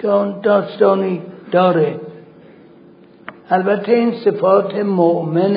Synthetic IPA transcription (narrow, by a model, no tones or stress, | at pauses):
ɒːnd̪ɒːst̪ɒːniːd̪̥ɒːɾe | ælbæt̪ʰːeinsefɒːt̪ʰemoʔmen